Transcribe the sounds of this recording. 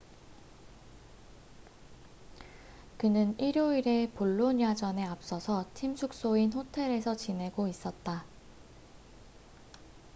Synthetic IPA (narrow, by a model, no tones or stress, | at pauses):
kɯnɯniɾjoiɾe̞poɭːoɲjad͡ʑʌne̞ap̚s͈ʌsʰʌtʰimt͡ɕʰuk̚s͈oinɸotʰe̞ɾe̞sʰʌt͡ɕine̞ɡois͈ʌt̚t͈a